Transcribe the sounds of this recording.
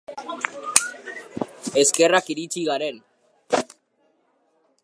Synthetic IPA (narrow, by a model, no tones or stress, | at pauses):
e̞ske̞rakiɾit͡ʃiɣaɾen